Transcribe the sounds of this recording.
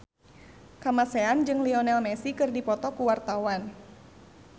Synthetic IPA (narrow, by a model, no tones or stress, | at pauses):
kamaseand͡ʒɨŋliɔnɛlmɛsikɨrdipɔt̪ɔkuwart̪awan